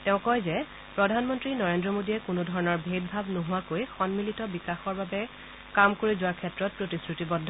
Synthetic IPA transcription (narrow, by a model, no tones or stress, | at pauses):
tɛʊ̃kɔjzɛ | pɹɔdʱanmɔntɹinɔɹendɹɔmodiɛkʊnʊdʱɔɹɔnɔɹbʱet̚bʱabnoɦʊwakojxɔnmilitɔbikaxɔɹbabɛ | kamkoɹizʊaɹkʰɛtɹɔt̚pɹotisɹitibɔdʱːɔ